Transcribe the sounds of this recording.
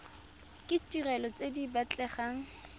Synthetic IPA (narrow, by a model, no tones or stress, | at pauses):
kʼɪtʼirɛlɔt͡sʼedibat͡ɬʼɛχaːŋ̩